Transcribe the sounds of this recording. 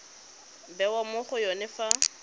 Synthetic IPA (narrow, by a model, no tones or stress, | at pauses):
bɛwamʊχʊjɔnɛfa